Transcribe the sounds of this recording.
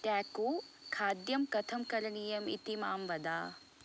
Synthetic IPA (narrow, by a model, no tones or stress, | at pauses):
t̪jaːkoːkʰaːd̪jɐmkɐt̪ʰɐmkɐɾɐɳijɐmḭt̪imaːmʋɐd̪aː